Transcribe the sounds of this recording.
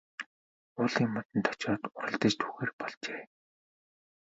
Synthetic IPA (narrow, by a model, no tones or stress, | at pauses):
ʊːɮiːmːɔt̪ə̆nt̪ʰɔ̥t͡ɕɔːt̪ʊɾə̆ɮt̪ə̆t͡ɕt̪ʰu̥xeːrpɔɮt͡ɕeː